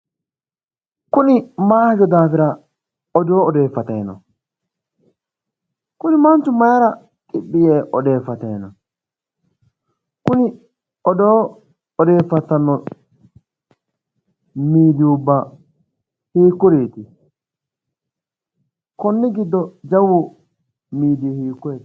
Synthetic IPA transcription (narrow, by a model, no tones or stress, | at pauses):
kʊnɪmaːhd͡ʒɔd̪aːfɪɾɐ | ɔd̪oːɔd̪e̞ːfːɐt̪ɐjnɔ̰ | kʊnɪmɐnt͡ʃːʊmɐjɐɾɐ | kʼɪɓːɪjeːʔɔd̪e̞ːfːɐt̪ɐnɔ | kʊnɪ | ɔd̪ɔ | ɔd̪e̞ːfːɐt̪ːɐnːɔ | miːd̪ɪʊbːɐ | hiːkːɔɾeːt̪ɪ | kɔnːɪɡɪd̪ːɔd͡ʒɐwːʊ | miːd̪ɪhiːkːɔeːt̪